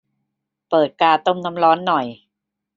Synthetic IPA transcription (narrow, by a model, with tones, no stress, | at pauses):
pɤː˨˩t̪̚kaː˧t̪o˥˩mna˦˥mɾɔː˦˥nːɔ˨˩j